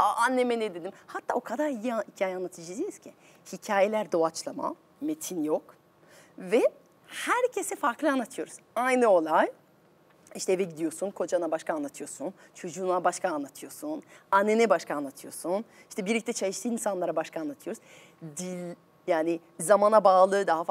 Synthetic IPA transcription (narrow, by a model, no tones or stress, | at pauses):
anːemɛnɛd̪e̞d̪imhat̪ʰːa̰ːo̞kʰad̪aɾijihicʰaːjɛanlˠat̪ʰɯd͡ʒɯd̪ejiz̥cʰi | hicʰaːje̞lʲæɾd̪o̞at͡ʃlˠama̰ | met̪ʰinjo̞k | vɛ | hæɾcʰe̞sɛfaɾklˠɯanlˠat̪ʰɯjo̞ɾuz̥ajnɯo̞lˠaj | iʃt̪ʰɛːvɛɟid̪ijo̞sunkʰo̞d͡ʒanabaʃkʰaːnlat̪ʰɯjo̞sun | t͡ʃʰo̞d͡ʒuːnabaʃkʰaːnlˠat̪ʰɯjo̞sunanːenɛbaʃkaːnlːˠat̪ʰɯjo̞sun | iʃt̪ʰɛbiɾlʲic̚t̪ɛt͡ʃʰalɯʃt̪ʰɯːinsanlˠaɾabaʃkʰaːnlːˠat̪ʰɯjo̞ɾuz̥ | d̪ilʲ | jaːnɪ | zamanabaːlˠɯːd̪aɦaf